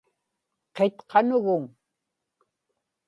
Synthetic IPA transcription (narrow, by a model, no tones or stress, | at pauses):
qet̪qʰɑnʊɣʊŋ